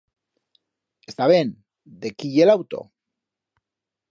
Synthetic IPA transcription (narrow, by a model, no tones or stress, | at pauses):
est̪aβen | d̪ekiʝelawt̪o̞̰